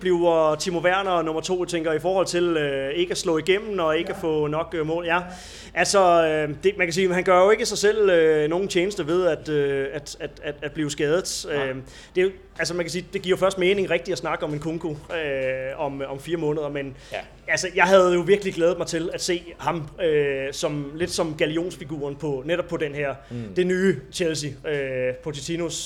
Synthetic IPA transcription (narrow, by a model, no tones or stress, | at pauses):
b̥liʊt͡sʰimo̝ʋæɐ̰nɐnɔ̽mɐt͡sʰo̝̰ːjt͡sʰeŋ̰ɡ̥ɐifɒːhɒ̽l̰t͡sʰe̝løe̝ɡ̥əæslɔ̰̽ːiɡ̥em̰n̩ɒ̽e̝ɡ̥əæfɔ̰̽ːnɒ̽ɡ̥ømɔ̰̽ːljæ | ʔælsɒød̥e̝mænkʰæs̬iːɦænɡ̥ɶɐjo̝e̝ɡ̥əsɑ̈ɪsel̰øno̝ːn̩t͡ɕʰeːnəsd̥əʋe̝ð̞ˠæd̥øæd̥æd̥æd̥æd̥̚b̥liːʊsɡ̥ɛːð̞ˠð̩ˠø | d̥e̝ | ælsəmænkʰæsiːd̥e̝ɡ̥iɐ̰jofɶɐsd̥me̝ːne̝ŋʁɛɡ̥̚d̥iæsnɑ̈ɡ̥əɒ̽me̝nkʰoŋɡ̥oøɒ̽mɒ̽mfiːɐmɔ̽nəð̞ˠɐmen | ælsəjɑ̈ɪɦæð̩ˠjo̝ʋiɐɡ̥əliɡ̥lɛːð̩ˠmɑ̈ɪt͡sʰe̝læd̥se̝̰ːhɑ̈møsɒ̽mle̝d̥sɒ̽mɡ̥ælio̝̰ːnsfiɡ̥ṵːɐnpʰɒ̽neɾɒb̥̚ʰɒ̽d̥enɦeɐ̰d̥e̝nyːt͡ɕʰels̬iøpʰot͡sʰit͡sʰinos